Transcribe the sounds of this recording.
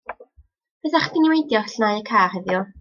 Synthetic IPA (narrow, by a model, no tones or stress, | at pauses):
pɛθaχdiniwejdjɔɬnajəkʰaːrhɛðjʊ